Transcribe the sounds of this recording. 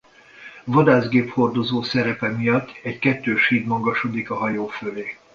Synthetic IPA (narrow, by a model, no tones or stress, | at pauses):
vɒd̪aːzɡeːpho̞rd̪o̞zoːsɛɾɛpɛmijɒt̪ːɛɟkɛt̪ːøːʃhiːd̪mɒɡɒʃo̞d̪ikɒɦɒjoːføleː